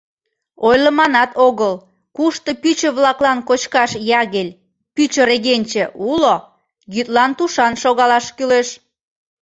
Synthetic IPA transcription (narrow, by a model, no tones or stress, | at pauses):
ojlə̆mɑnɑt̪oɣəl | kuʃt̪ə̆pyt͡ɕə̆βlɑklɑnkot͡ɕkɑʃjɑɣelʲ | pyt͡ɕəɾeɣenʲt͡ɕĕʔulo | ɣyt̪lɑnt̪uʃɑnʃoɣɑlɑʃkyleʃ